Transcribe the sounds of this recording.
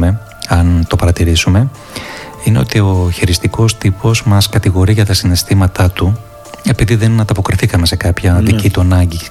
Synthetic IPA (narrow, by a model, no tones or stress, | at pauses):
me̞ | ɐnt̪o̞pɐɾɐt̪iɾisume̞ | ineo̞̰t̪io̞çiɾist̪iko̞st̪ipo̞zmɐskɐt̪iɣo̞ɾiʝɐt̪ɐsinest̪imɐt̪ɐt̪u | e̞piðiðe̞nɐd̪ɐpo̞kɾiθikɐme̞se̞kɐpçɐðicit̪uɐnɐɲɟi